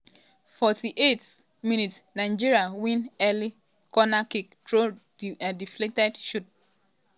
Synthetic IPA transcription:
fɔtiʔet | mĩnitsnaɪd͡ʒiɾiawĩnɛli | kɔnakik̚dɾo | adifletɛdʃut̚

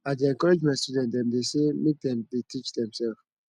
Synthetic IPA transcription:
ãdeɛ̃nkɔɹed͡ʒmastudɛ̃ntdɛ̃mdesemek̚dɛ̃mdetʰit͡ʃdɛ̃msɛlf

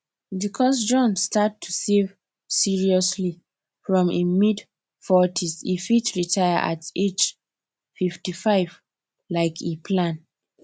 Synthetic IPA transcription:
bikʰɔsd͡ʒɔ̃nstatʰːusev | siɹiɔsli | fɹɔ̃memid | fɔtʰisifitɹitʰaja̰ʔa̰ted͡ʒ | fiftifaɪv | laɪkʰipʰlãn

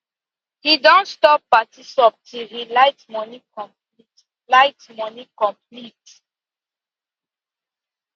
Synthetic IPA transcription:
hidɔ̃ntstɔpːatisɔp̚tʰilhilaɪtmɔnikɔ̃mplit | laɪtmɔnikɔ̃mp̚lit

